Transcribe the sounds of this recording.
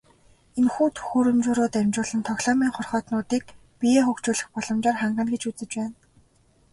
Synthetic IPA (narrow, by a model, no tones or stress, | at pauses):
enxuːt̪ʰu̥xuːɾɵ̆mt͡ɕʊːɾʊːt̪æmʲt͡ɕʊːɮə̆nt̪ʰɔɣɮɔːmiːŋχɔrχɔːt̪nʊːt̪iːk̚ | pijeːxɵkt͡ɕʊːɮɘ̆xpɔɮɞ̆mt͡ɕaːrχaɴɢə̆nɡet͡ɕut͡sɘ̆t͡ɕpæːn